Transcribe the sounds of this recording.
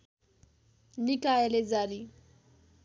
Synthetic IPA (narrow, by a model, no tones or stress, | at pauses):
nikʼaɛlɪd͡zadi